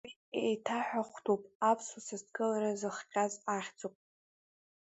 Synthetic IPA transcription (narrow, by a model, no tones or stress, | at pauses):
wi | ejtʰaħʷᶣaχʷtʰupʼapʰsasaztkʼɨlaɾazɨχqʲʼazaχʲd͡zopʼ